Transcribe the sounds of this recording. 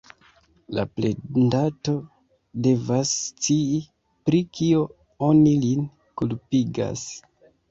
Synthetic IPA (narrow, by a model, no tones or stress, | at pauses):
la̰plendato̞ | de̞vast͡sii | pɾikʰio̞ | o̞nilin | kulpiɡa̰s